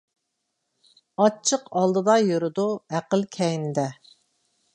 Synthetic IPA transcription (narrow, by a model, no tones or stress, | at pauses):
ɑt͡ʃʰːəqɑlˠd̪ɨd̪ɑjoɾʊd̪uæqəlkʲʰɛjnɪd̪ɛ